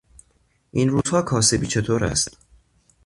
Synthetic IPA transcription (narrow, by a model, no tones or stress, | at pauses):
ʔinɾuːz̥hɒːkʰɒːse̞biːt͡ʃʰe̞t̪ʰoːɾæ̰st̪